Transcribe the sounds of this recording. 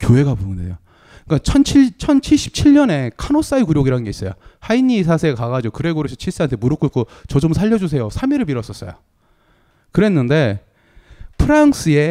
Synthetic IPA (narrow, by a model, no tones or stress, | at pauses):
kjoɦe̞ɡapoɯndḛjo | ik͈at͡ɕʰʌnt͡ɕʰit͡ɕʰʌnt͡ɕʰiɭɕ͈i̥p̚t͡ɕʰiɭɲʌne̞kʰanos͈aikuɾjoɡiɾanɡe̞is͈ʌjo̰hainːis̬ʰasʰekaɣad͡ʑookɯɾe̞ɡoɾɯsʰʌt͡ɕʰiɭs͈ɯantʰemuɾɯk͈uɭk͈ot͡ɕʌd͡ʑomsʰaʎːʌd͡ʑus̬ʰe̞josʰamiɾɯɭpiɾʌs͈ʌs͈ʌ̰jo̰ | kɯɾe̞nːɯnde̞ | pʰɯɾaŋs͈ʰɯe̞